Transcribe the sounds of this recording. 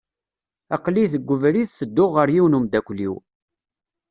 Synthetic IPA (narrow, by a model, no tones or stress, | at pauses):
æqliθəɡʷːʊvɾiðθəd̪ːʊʁəɾjiwnumd̪ækʷliw